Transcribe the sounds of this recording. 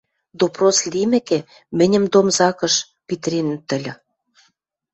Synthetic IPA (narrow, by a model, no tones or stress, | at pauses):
d̪oproslimɘ̆kĕ | mɘ̆nʲə̆md̪omzɑkɤ̆ʃ | pit̪rʲen̆t̪ɘ̆lʲɘ̆